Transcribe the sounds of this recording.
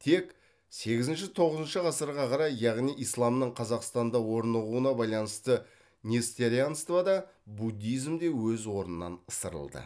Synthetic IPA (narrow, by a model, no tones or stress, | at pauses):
t̪ʰe̞k | se̞ɡʲɪzɪnʃɪt̪ʰo̞ʁəzənʃəʁɑsəɾʁɑqʰɑɾɑjjɑʁnijijslˠɑmnəɴqʰɑzɑqst̪ɑnd̪ɑwo̞ɾnəʁuənɑbɑjlˠɑnəst̪ə | nʲest̪eɾianst̪vɑd̪ɑbud̪ʲːijzmd̪e̞wɵzwo̞ɾnənːɑ̰nəsəɾə̰lˠd̪ə̰